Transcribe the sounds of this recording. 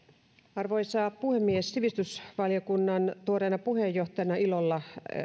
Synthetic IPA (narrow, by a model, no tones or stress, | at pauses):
ɑrʋoisɑːpuhemːiesːiʋist̪ysʋɑljokunːɑnt̪uorenɑpuhejːoht̪ɑjɑnɑilolːɑ